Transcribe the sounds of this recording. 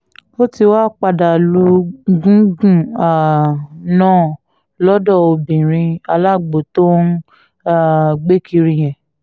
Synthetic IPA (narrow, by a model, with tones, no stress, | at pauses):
o˦ti˧wa˦k͡pa˧da˨lu˧ɡũ˦ɡũ˦˨a˨nãː˦˨ | lɔ˦dɔ˦˨o˧bĩ˨ɾ̃ĩ˧a˧la˦˨ɡ͡bo˨to˦n˦ | a˨ɡ͡be˦kʰi˧ɾĩ˧j̃ɛ̃˨